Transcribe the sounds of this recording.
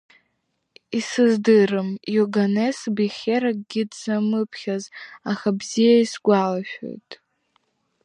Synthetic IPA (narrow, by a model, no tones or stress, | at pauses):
isɨzdɨrɨmjuɡanesbiχʲeɾaɡ̚ʼɡʲɪdzamɨpʰχʲazaχabzijaisɡʷalaʃᶣo̞̰jtʼ